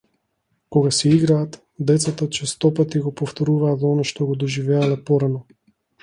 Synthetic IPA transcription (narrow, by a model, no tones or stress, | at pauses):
kɔɡasɛiɡɾaːt̪ | d̪ɛt̪sat̪at͡ʃɛst̪ɔpat̪iɡɔpɔft̪ɔɾuvaːt̪zɔnaʃt̪ɔɡɔd̪ɔʒivɛalɛpɔɾanɔ